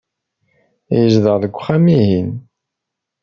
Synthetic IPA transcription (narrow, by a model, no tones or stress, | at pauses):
jəzðəʁðəɡʷːχæmiɦin